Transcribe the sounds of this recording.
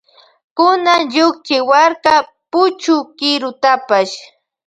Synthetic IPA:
kʊnaŋʎʊk̚t͡ʃɪwaɾka | pʊt͡ʃʊkɪɾʊt̪apaʃ

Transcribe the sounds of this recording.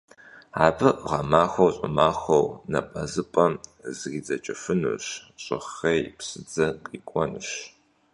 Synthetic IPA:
aːbɨʁɐmaːxɐwɕʼɪmaːxʷɐwnɐ̰pʼɐzɨpʼɐmzɨɣiːd͡zɐt͡ʃʼɪfɨnṵɕɕʼɪ̰χejpsɨd͡zɐqʼiːkʷʼɔnɨɕ

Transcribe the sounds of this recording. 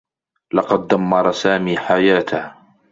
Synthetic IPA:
lɑqɑd̪̚ːamːɑɾˤɑsaːmiːħajaːt̪ah

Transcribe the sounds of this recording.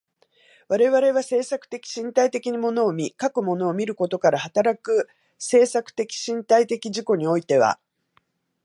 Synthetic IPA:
βaɾe̞βaɾe̞βase̞ːsakɯ̟̥t̪e̞kʲi̥ɕĩnt̪ait̪e̞kʲiɲ̟imo̞no̞ːmʲikakɯ̟mo̞no̞ːmʲiɾɯ̟ko̞t̪o̞kaɾahat̪aɾakɯ̟ | se̞ːsakɯ̟̥t̪e̞kʲi̥ɕĩnt̪ait̪e̞kʲiʑiko̞ɲ̟io̞it̪e̞βa̰

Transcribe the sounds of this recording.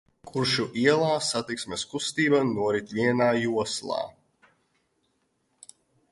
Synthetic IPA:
kʰuɾʃuʔiɛlˠaːsat̪iksmʲeskust̪iːbanuɔɾit̪ʲvʲiɛnaːjuɔslˠɑ̰ː

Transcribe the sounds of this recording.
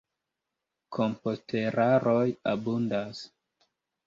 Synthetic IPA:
kʰompo̞stʰe̞ɾaɾo̞jabundas

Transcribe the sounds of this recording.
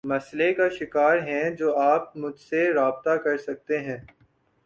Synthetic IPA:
mɐslekaʃɪkaːɾɦɛ̃d͡ʒoːaːp̚mʊd͡ʒʱseɾaːb̚t̪akɐɾsɐk̚t̪eɦɛ̃ː

